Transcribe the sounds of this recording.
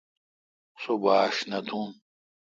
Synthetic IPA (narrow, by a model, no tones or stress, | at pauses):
sobaːʂnɐt̪ʰũn